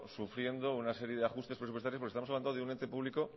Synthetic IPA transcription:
sufɾje̞nd̪o̞unase̞ɾje̞ðeaxust̪e̞spɾes̬upwest̪aɾjopɾkest̪amsaβlanoðeunent̪e̞puβliko̞

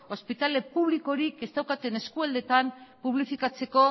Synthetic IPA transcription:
o̞spit̪ale̞puβ̞liko̞ɾike̞st̪awkat̪e̞ne̞skuald̪e̞t̪ampuβlifikat͡se̞ko̞

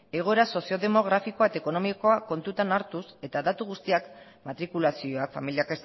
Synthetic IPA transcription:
e̞ɣ̞o̞e̞ɾaso̞sioðe̞mo̞ɣ̞ɾafiko̞aet̪aeko̞no̞miko̞ako̞nt̪ut̪anaɾt̪use̞t̪aðat̪uɣ̞ust̪iak | mat̪ɾikulasio̞akfamiliake̞s

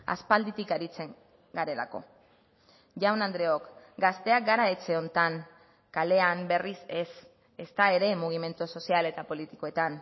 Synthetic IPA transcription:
a̰spald̪it̪ikaɾit͡se̞ŋ | ɡaɾe̞la̰ko̞̰ | ʝawnand̪ɾe̞o̞kɡast̪e̞ak̚ɡaɾae̞t͡se̞o̞nt̪aŋ | kale̞ambe̞rise̞s | e̞st̪ae̞ɾe̞muɣ̞ime̞nt̪uso̞siale̞t̪apo̞lit̪i̥ko̞e̞t̪an

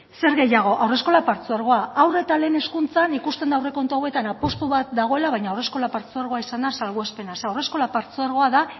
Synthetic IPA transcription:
se̞ɾɣe̞jaɣ̞o̞ʔawre̞sko̞lapaɾt͡suaɾɣ̞o̞aawre̞t̪ale̞ːne̞skunt͡sanikust̪e̞nd̪awre̞ko̞nt̪uawe̞t̪anapo̞st̪uβat̪̚d̪aɣ̞o̞e̞laβajɲawre̞sko̞lapaɾt͡suaɾɣo̞aisand̪asalɣoe̞spe̞naseawre̞sko̞lapaɾt͡suaɾɣ̞o̞aða

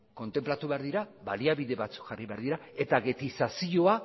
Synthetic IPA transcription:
ko̞nt̪e̞mplat̪uβe̞aɾðiɾaβaliaβiðe̞βat͡su̥kxariβe̞aɾðiɾae̞t̪aɣe̞t̪isasio̞a

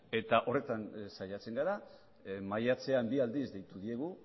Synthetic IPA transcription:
e̞t̪aʔo̞re̞t̪ansajat͡se̞ŋɡaɾa | majat͡se̞ambiald̪izd̪e̞jt̪uðie̞ɣ̞u

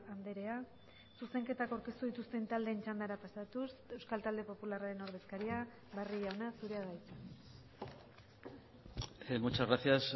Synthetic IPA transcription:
and̪e̞ɾe̞a | suse̞ŋke̞t̪akawɾke̞st̪uðit̪ust̪e̞nt̪ald̪e̞ːnt͡ʃand̪aɾapasat̪use̞wskalt̪ald̪e̞po̞pularaɾe̞no̞ɾð̞e̞skaɾia | βariʎaonasuɾe̞aðajt͡sa | emut͡ʃazɣɾaθjas

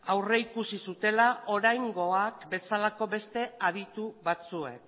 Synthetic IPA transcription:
awre̞ikusisut̪e̞laʔo̞ɾajŋɡo̞akbe̞salako̞be̞st̪e̞aðit̪uβat͡sue̞k

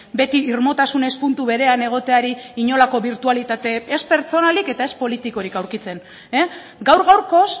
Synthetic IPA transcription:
be̞t̪iːɾmo̞t̪asune̞spunt̪uβe̞ɾe̞ane̞ɣ̞o̞t̪e̞aɾiːɲo̞lako̞βiɾt̪ualit̪at̪e̞ːspe̞ɾt͡so̞nalike̞t̪ae̞spo̞lit̪iko̞ɾikawɾkit͡se̞n | e | ɡawɾɣawɾko̞s

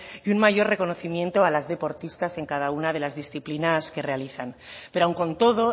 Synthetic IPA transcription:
iunmaʝo̞re̞ko̞no̞θimjẽ̞nt̪o̞alazðe̞po̞ɾt̪ist̪ase̞ŋkaðaunað̞e̞lazðisθiplinaske̞re̞aliθanpe̞ɾoawŋko̞nt̪o̞ðo̞

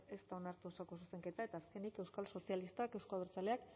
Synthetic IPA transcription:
e̞st̪ao̞naɾt̪uo̞sako̞s̬use̞ŋke̞t̪ae̞t̪aːske̞nike̞wskalso̞sialist̪ake̞wskoaeɾt͡saleak

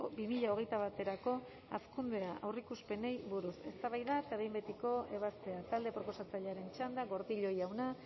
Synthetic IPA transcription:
bimiʎao̞ɣ̞e̞jt̪aβ̞at̪e̞ɾako̞ | a̰skund̪e̞aʔawrikuspe̞ne̞jβuɾuse̞̰st̪aβajðaet̪aβejmbet̪iko̞e̞β̞ast̪e̞at̪ald̪e̞pɾo̞po̞sat͡saʎeaɾe̞nt͡ʃand̪aɣo̞ɾðiʎo̞jawna

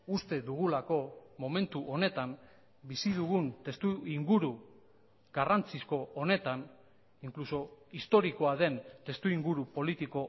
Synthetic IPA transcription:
ust̪e̞ðuɣ̞ulako̞mo̞me̞nt̪uʔo̞ne̞t̪am | bisiðuɣunt̪e̞st̪uiŋɡuɾu | ɡarant͡sisko̞ʔone̞t̪an | iŋkluso̞ist̪o̞ɾiko̞aðe̞nt̪e̞st̪uiŋɡuɾupo̞lit̪iko̞

